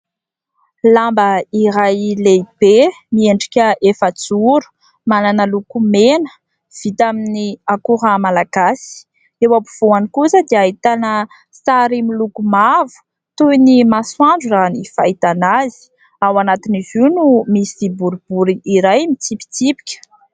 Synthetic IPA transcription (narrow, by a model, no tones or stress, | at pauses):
lambəiɾajleib̥e | mieɳɖ͡ʐikʲəʔefət͡suɾu̥ | mananəlukumenə̥ | v̥it̪aminiakuɾamalaɡ̥asi̥ | ewapuv̥oanikusəd̪iait̪anə | saɾimilukumavu̥ | t̪ujinimaswaɳɖ͡ʐuzanifait̪anazi̥ | awanat̪iniziwnumisibuɾubuɾiiɾajmit͡sipi̥t͡sipi̥kʲə̥